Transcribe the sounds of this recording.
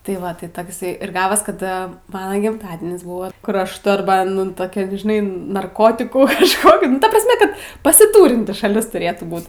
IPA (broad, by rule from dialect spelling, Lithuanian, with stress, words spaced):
tɐɪ ˈʋɐ ˈtɐɪ ɪˈsɐɪ ɪr ˈɡɑːʋɐs kɐt ˈmɑːnɐ ɡʲɪmˈtɑːdʲiɛnʲɪs ˈbʊʋoː kʊr ˈɐʃ toːrˈbɑːnʲɪn ˈtoːkʲɛ ʒʲɪˈnɐɪ nɐrˈkoːtʲɪkuː iɛʃˈkoːkʲɪt nʊ ˈtɐ prɐsʲˈmʲɛ ˈkɐt pɐsʲɪˈtuːrʲɪnʲtʲɪ ʃɐˈlʲɪs tʊˈrʲeːtuː ˈbuːt